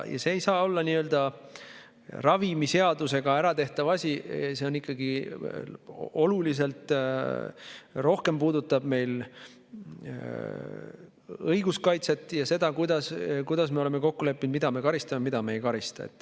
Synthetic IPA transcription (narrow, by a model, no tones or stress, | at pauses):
jɑ̰se̞ːjsɑːo̞lːɑniø̞ld̪̥ɑ | rɑvimise̞ɑd̪use̞ɡ̥ɑæɾɑt̪e̞ht̪ɑvɑsʲise̞o̞nikːˑɑɡi | o̞lulis̬e̞lt̪ˑ | ro̞hke̞mpuːd̪ut̪ːˑɑb̥me̞jl | ɤjɡuskɑjt̪se̞t̪ːˑjɑse̞d̪̥ɑkujd̪ɑskujd̪̥ɑsmeo̞le̞me̞ko̞kːule̞pːˑind̪mid̪̥ɑme̞kɑɾist̪ɑmemid̪̥ɑme̞ːjkɑɾist̪ɑ̰ḛt̪ːˑ